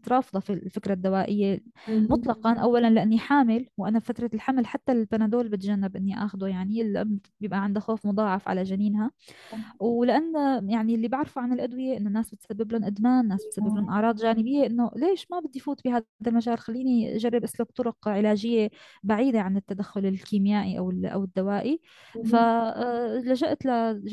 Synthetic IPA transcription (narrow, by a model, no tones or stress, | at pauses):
t̪ɾˤɑːfd̪ˤɑfilfɪkɾad̪ːawaːʔɪjːemʊt̪ˤlɑqɑnʔawːalanlaʔanːiħaːmɪlwʔanafat̪ɾˤɑlħamlħat̪ːalbanad̪oːlbɪt̪ʒanːɪbʔɪnːiʔa̰ːxd̪ujaʕnilʔʊ̰mbjɪbʔaʕɪnd̪axoːfmʊd̪ˤɑːʕɑfʕa̰laʒaniːnɦa | wlɪʔanːjaʕnilːibaʕɾfuʕanɪlʔad̪wɪjeʔɪnːonːaːsbɪt̪sabːɪblʊnʔad̪maːnːaːsbɪt̪sabːɪblʊnʔɑʕɾˤɑːd̪ˤʒaːnɪbɪjːeʔɪnːoleːʃmabɪd̪ːifuːt̪bihaːd̪almaʒaːlxalːiːniʒarˤːɪbʔaslak̚t̪ˤʊɾʊqʕɪlaːʒɪjːebaʕiːd̪eʕanɪt̪ːad̪axːʊlɪlkiːmjaːʔiʔa̰wɪʔa̰wɪd̪ːawaːʔi | fa | laʒaʔt̪la